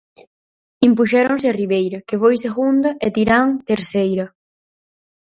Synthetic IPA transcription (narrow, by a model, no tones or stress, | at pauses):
impuʃɛɾoŋsɪariβejɾɐkefojseɣund̪ɐʔet̪iɾaŋt̪eɾsejɾɐ